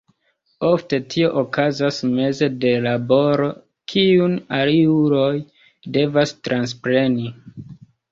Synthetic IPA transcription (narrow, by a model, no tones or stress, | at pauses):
o̞fte̞tʰio̞ʔokazasme̞ze̞de̞labo̞ɾo̞ | kʰiunaliuɾo̞j | de̞vastɾanspɾe̞ni